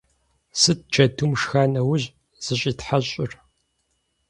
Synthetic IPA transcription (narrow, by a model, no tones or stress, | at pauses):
sɨt̚t͡ʃʰɐtʰumʂxaːnɐwʊʑ | z̥ɨɕʼiːtħaɕʼɪr